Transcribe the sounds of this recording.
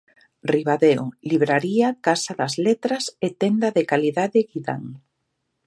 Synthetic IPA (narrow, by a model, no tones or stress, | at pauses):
riβaðeo̰liβɾaɾiakasaðazlet̪ɾɐset̪end̪aðekaliðaðeɣiða̰ŋ